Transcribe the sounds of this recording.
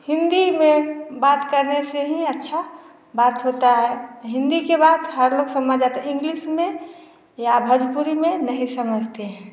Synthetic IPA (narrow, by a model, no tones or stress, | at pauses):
hɪ̃nd̪imẽbat̪kəɾneseɦĩətːʃʰa | bat̪ɦot̪aɦɛɦɪ̃nd̪ikebat̪ɦəɾloɡsəməd͡ʒat̪eɪ̃ŋɡlismẽ | jabʱəd͡ʒpuɾimẽnəɦĩsəməd͡ʒʱt̪eɦɛ̃ː